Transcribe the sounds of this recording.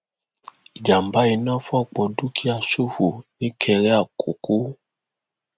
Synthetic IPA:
i˨d͡ʒa˨m˨ba˦i˧nɔ̃˦fɔ˦˨k͡pɔ˨du˦kʰi˦a˨so˦˨fu˨nĩ˦kʰɛ˧ɾɛ˦a˦˨ko˨ku˦

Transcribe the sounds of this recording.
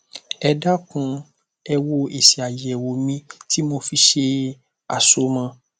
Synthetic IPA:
ɛ˧da˦kũ˧˦ | ɛ˧wo˧e˨si˨a˨je˨ɛ˨wo˨mĩ˧ti˦mo˧fi˧ʃe˧ | a̰˨so˦mã˧

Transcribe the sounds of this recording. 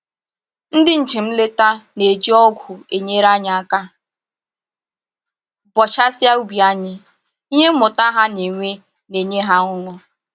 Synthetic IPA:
n̩˦dɪ˦n̩˨t͡ʃɪ˨m̩˦le˦ta˦ne˨d͡ʒi˦ɔ˦ɡʷʊ˨e˨ɲe˦ɾa˦ɲɪ˨a˦ka˦ | bɔ˨t͡ʃa˦sja˦u˦bi˨a˦ɲɪ˦ | i˦ɲe˦m̩˦mʊ˨ta˦ɦa˦ne˨ŋʷe˦ | ne˨ɲe˦ɦa˦ŋʊ˦ŋʷʊ˦

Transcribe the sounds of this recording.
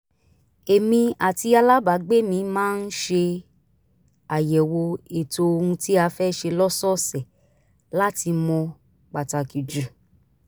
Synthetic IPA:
e˨mĩ˧a˨ti˧a˧la˦ba˨˦ɡ͡be˦mĩ˧mãː˦n̩˦ʃe˧ | a˨jɛ˨wo˧e˨to˧o˧ɾũ˧ti˦a˧fɛ˦ʃe˧lɔ˦sɔ˦sɛ˨ | la˦ti˧mɔ̃˧ | k͡pa˨ta˨ki˨d͡ʒu˨

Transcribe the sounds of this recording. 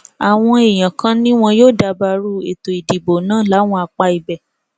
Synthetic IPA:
a˨w̃ɔ̃˧e˨j̃ã˨kã˦nĩ˦w̃ɔ̃˧joː˦˨da˧ba˧ɾu˦˨ḛ˨to˨i˨di˨bo˨nãː˦˨la˨˦w̃ɔ̃˧a˧k͡pa˧i˨bɛ˨

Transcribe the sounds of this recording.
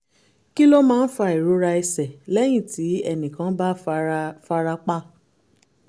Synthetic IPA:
ki˦lo˦mãː˦˧n̩˦fa˧˨i˨ɾo˨˦ɾa˧ɛ˧sɛ˨lɛ˦j̃ĩ˦˨ti˨˦ɛ˦nĩ˨kã˨˦ba˦fa˧ɾa˧k͡pa˦˨

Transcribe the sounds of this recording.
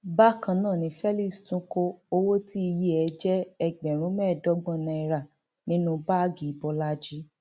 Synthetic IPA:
ba˦kã˧nãː˦˨nĩ˨˦fɛ˦li˦˨stũ˨˦ko˧o˧wo˦tʰi˦i˧je˦ɛ˧d͡ʒɛ˦ɛ˧˨ɡ͡bɛ˨ɾ̃ũ˨˦mɛ˦˨dɔ˦ɡ͡bɔ̃˦˨nã˧ɛ˧ɾa˨ | nĩ˦nũ˦ba˦˨ɡi˨˦bɔ˧la˦d͡ʒi˦

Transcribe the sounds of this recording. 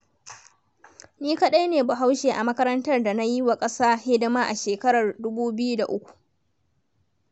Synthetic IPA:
niː˦ka˦˨ɗa˦jneː˨bʊ˨ɦa˦wʃeː˨ʔa˨mɐ˦kɐ˦ɾɐ˦ntɐ˦rda˨na˦ji˦wa˨kʼɐ˦saː˦hɪ˦dɐ˦maː˦ʔa˨ʃeː˨kɐ˦ɾɐ˨rdʊ˦buː˦bɪ˦ju˦da˨ʔʊ˦kʷu̥˨ʔ

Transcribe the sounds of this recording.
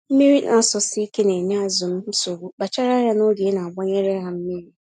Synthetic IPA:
m̩˦mi˦ɾi˦nʔa˨sʊ˨sɪ˦i˦ke˦ne˨ne˦a˦zʊ˨m̩˦so˨ɡu˦ba˨t͡ʃa˦ɾa˦ja˦no˦di˨e˦na˨a˨ɡ͡ba˦ɲe˦ɾe˦ɦa˨m̩˦mi˦ɾi˦

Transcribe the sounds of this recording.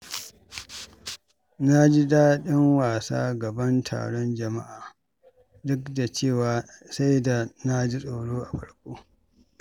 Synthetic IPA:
na˦d͡ʒi˦daː˦ɗɪ˦ŋwaː˨sa̰ː˦ɡɐ˨bɐ˦ntʰa̰ː˨ɽɔ˦nd͡ʒɐ˨ma̰˦ʔaː˨ | dʊ˦kda˨t͡ʃeː˦˨waː˨sa˦jda˨na˦d͡ʒi˦sʼoː˨ɽoː˦ʔa˨ɸɐ˦ɽkʷʼoː˦

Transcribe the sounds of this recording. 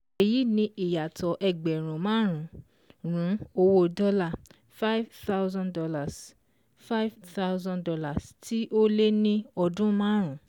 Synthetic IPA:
e˨ji˦nĩ˧˦ʔi˨ja˨tʰɔ˨ʔɛ˨ɡ͡bɛ˨ɾ̃ũ˨mãː˦ɾ̃ũ˨˦ | ɾ̃ũ˨˦o˧wo˦dɔ˦la˦˨ | fa˦i˦vta˦wzã˦ndɔ˧la˨s | fa˦vta˦wzã˦dɔ˧la˦˨sti˦ʔo˦le˦nĩ˦ɔ˧dũ˦mãː˦ɾ̃ũ˨˦

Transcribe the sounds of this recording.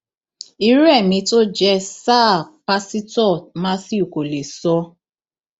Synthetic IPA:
i˦ɾɛ˦˨mĩ˧to˦d͡ʒɛ˦sa˦˨pa˧si˦tɔ˦˨mã˦si˦u˨ko˨le˨sɔ˦

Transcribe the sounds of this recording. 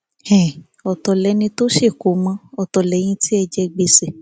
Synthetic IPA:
ɛ̃˨ | ɔ˨tɔ˨lɛ˨˦nĩ˧to˦ʃe˦˨ko˨˦mã˧˦ɔ˨tɔ˨lɛ˨˦j̃ĩ˧ti˦ɛ˧d͡ʒɛ˧ɡ͡be˧se˨

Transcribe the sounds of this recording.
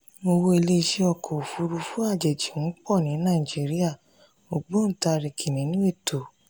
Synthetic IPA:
mo˧wo˧˦e˧le˦i˧ʃe˧ɔ˧˨kɔ˨o˨fu˧ɾu˧fu˦a˦˨d͡ʒɛ˨d͡ʒi˨ũ˨˦k͡pɔ˦˨nĩ˨˦nãː˦˨i˨d͡ʒi˨˦ɾi˦a˦˨ | mo˨ɡ͡bo˨˦n̩˦˨ta˧ɾi˨kʰi˨nĩ˨˦nũ˦e˦˨tʰo˨

